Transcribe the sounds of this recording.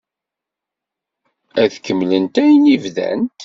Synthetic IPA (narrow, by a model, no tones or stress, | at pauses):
æðkəmːlənt̪æjənivðæ̰nt̪